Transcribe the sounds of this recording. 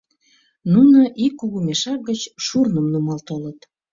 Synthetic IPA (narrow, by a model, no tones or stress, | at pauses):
nunəʔikːuɣumeʃɑk̚ɡət͡ɕʃurnəmnumɑlt̪olət̪